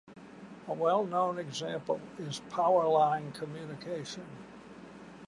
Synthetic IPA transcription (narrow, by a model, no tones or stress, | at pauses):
əwɛlˠnõʊ̃nɨɡzæ̃mpl̩ˠɪz̥pʰaʊə˞lãɪ̃nkʰəmjʉnɨkʰeɪʃɨ̃n